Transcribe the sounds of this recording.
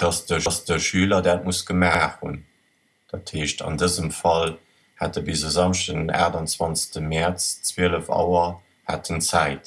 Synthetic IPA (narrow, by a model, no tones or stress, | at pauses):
d̥ɑsd̥əsd̥əʃyːlɐdaːt̚musɡ̥əmaːχhṵn | d̥atʰheːʃtʰɑ̰ndəzəmfɑl | hæ̰t̚əbizəzɑmʃdəna̰ːʁdɑnt͡swɑnt͡sə̥təmɛʁt͡st͡sweːələfɑ̰ʊɐ | ha̰tʰənt͡sæɪt